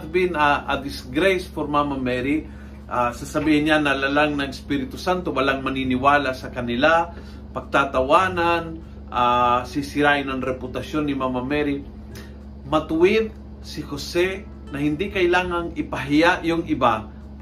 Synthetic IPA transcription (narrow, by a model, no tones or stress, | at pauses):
t̪̚bɪnɐʔɐ̰d̪ɪsɡɾajspoɾmamamɛɾɪ | ʔasɐsɐbiːhɪnɲanɐlalaŋnɐŋɪspiɾɪt̪ʊsant̪owɐlaŋmɐninɪwaːlasɐkɐnɪla | pɐɡ̚t̪at̪awaːnan | ʔasɪsɪɾaːʔɪnɐŋɾɛpʊt̪ɐʃjonːɪmamɐmɛɾɪ | mɐt̪ʊwɪd̪̚ | sɪhosɛ | nɐhɪnd̪ikɐjlaːŋɐŋɪpɐɦɪjaʔjʊŋʔɪba